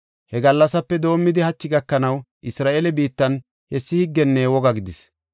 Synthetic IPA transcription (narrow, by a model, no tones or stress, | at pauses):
hɛɡɐlːɐsɐpːɛd̪o̞ːmːɪd̪ɪhɐt͡ʃːɪɡɐkːɐnɐw | ʔɪsɾaːʔelɛbiːt̪ːɐn | hɛsːɪhɪɡːɛnːɛwɔɡɐɡɪd̪ɪs